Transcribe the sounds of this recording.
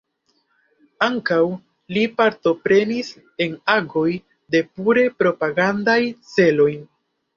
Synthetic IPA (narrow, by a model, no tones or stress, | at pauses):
aŋkaw | lipaɾto̞pɾe̞nis | e̞naɡo̞j | de̞puɾe̞pɾo̞paɡandajt͡se̞lo̞j